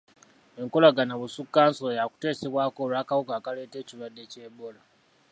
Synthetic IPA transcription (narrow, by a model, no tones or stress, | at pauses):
ʔɛŋkʊlaɡanabusukːansoːjakʷu̥teːsiwʷaːkoːɾakawkaːkɐɽeːteːt͡ʃuɾadet͡ʃeboːla